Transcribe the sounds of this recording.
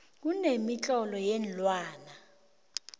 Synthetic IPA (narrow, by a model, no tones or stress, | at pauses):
k̬unemit͡ɬʼɔlɔjɛnlwaːna